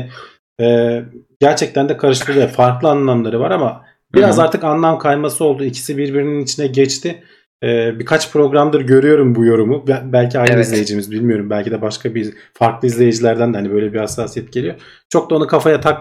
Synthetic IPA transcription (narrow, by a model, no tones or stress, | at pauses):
ɛːɟæɾt͡ʃʰɛc̚t̪ænd̪ɛkʰaɾɯʃlˠɯlˠɯfaɾklˠɯanlˠamlˠaɾɯvaɾama | biɾazaɾt̪ʰɯkanlˠamkʰajˠmasɯo̞lˠd̪uicʰi̥sibiɾbiɾininit͡ʃʰinɛɟɛt͡ʃt̪ʰɪ | ɛːbikʰat͡ʃpʰɾo̞ɡɾamd̪ɯɾɟø̞ɾyjo̞ɾumbujo̞ɾumubbælʲcʰiajɾizlʲejid͡ʒimizbilʲmijo̞ɾumbælʲcʰid̪ɛbaʃkʰabi | faɾklˠɯizlʲe̞jid͡ʒilʲæɾd̪ænd̪ɛhanibø̞jlʲɛbihasːaːsijɛt̪̚ɟe̞lijo̞ | t͡ʃʰo̞k̚d̪aonukʰafajat̪ʰak